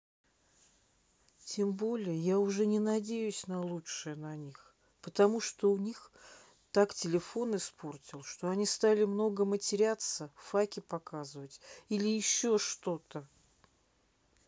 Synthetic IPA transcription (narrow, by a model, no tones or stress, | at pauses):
tʲʰe̞mbo̞lʲɪjəjaʊʐɛnʲɪnɐdʲejʉsʲnɐlˠuʂɨjənɐnʲix | pət̪ɐmuʂt̪o̞ʊnʲix | t̪aktʲɪlʲɪfo̞nɪspʰo̞rtʲɪlˠʂt̪o̞ɐnʲist̪alʲɪmno̞ɡəmətʲɪɾʲat̪səfakʲɪpɐkazɨvətʲilʲɪjɪɕːo̞ʂt̪o̞t̪ə